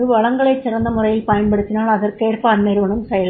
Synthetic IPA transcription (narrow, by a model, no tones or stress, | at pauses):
ɯʋɐɭɐŋɡɐɭet͡ɕːirɐnd̪ɐmurɐjɪlpɐjɐnpeɽut̪ːinaːɭɐðɐrkeːʈpaːnmeɾuʋɐɳɐmsɐjɐɭ